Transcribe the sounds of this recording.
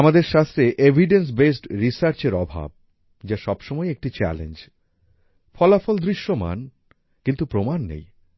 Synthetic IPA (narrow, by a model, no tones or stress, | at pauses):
amad̪eɾʃast̪ɾeʔebʱiɖens̬besʈɾisaɾt͡ɕeɾɔbʱa̰b̚ | d͡ʑaʃɔbʃɔmɔeek̚ʈit͡ɕɛ̰lḛnd͡ʑ | fɔlafɔld̪ɾiʃːoma̰n | kint̪upɾomanːḛj